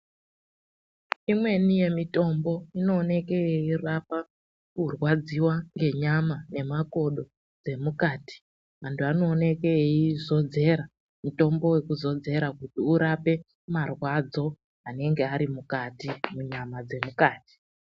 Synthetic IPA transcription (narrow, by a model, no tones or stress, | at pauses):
imwe̞nije̞mito̞mbo̞ino̞ːne̞kejeirapa | kurwad͡ziwaŋɡe̞ɲamane̞mako̞ɗo̞ | d͡ze̞mukaːti̥ | ʋantʰuano̞ːne̞keeizo̞d͡ze̞ɾa | muto̞mbo̞we̞kuzo̞d͡ze̞ɾakutiuɾape̞ | marwad͡zo̞ | ane̞ŋɡe̞aɾimukatimuɲamad͡ze̞mukaːti̥